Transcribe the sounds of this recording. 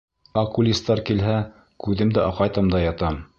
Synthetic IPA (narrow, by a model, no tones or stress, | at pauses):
ɑkulʲist̪ːɑɾkilɦæ | kʉðɘmd̪æʔɑqɑjt̪ɑmd̪ɑjɑt̪ɑm